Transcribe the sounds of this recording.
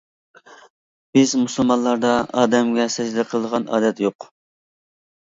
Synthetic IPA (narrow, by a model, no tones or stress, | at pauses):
bɪzmusɨlˠmɑnlˠɑɾd̪ɑɑːd̪ɛmɡʲɛsɛd͡ʒd̪ɛqʰəlˠəd̪əʁɑnɑ̰ːd̪ɛt̪joq